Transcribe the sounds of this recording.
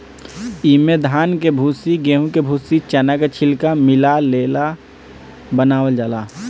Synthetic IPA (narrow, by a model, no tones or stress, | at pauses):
imed̪ʱaːnkebʱuːsiɡẽːɦũkebʱuːsit͡ʃɛnakat͡ʃʰɪlkamɪlaleːla | bənaːʋəld͡ʒaːlaː